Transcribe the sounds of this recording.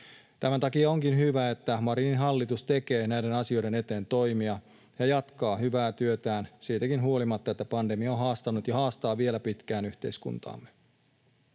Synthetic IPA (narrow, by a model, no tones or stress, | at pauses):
t̪æmænt̪ɑkiɑo̞ŋkinɦyʋæet̪ːæmɑɾininɦɑlːit̪ust̪e̞ke̞ːnæjdenɑsio̞jde̞ne̞t̪e̞ːnt̪o̞jmiɑ | jɑjɑt̪kɑːɦyʋæːt̪yøt̪æːnsiːt̪ækinɦuolimɑt̪ːɑet̪ːæpɑndemiɑonɦɑːst̪ɑnːut̪jɑhɑːst̪ɑːʋie̞læpit̪kæːnyht̪e̞̰iskṵnt̪ɑ̰ːmːe̥